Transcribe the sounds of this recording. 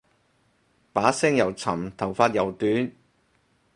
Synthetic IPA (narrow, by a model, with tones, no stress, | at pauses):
paː˨˥sɪ˥ŋjɐ˨˩wt͡sʰɐ˨˩mt̪ʰɐ˨˩wfaː˧t̚jɐ˨˩wt̪yː˨˥n